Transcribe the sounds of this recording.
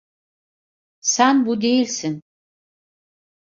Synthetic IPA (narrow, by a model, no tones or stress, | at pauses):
sænbud̪ejilʲsin